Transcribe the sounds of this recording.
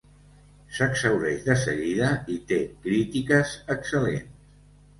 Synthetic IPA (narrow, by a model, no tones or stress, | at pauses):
səksəwðɛʒðəsə̰ɣiðəit̪ekɾit̪ikəzəksəlenss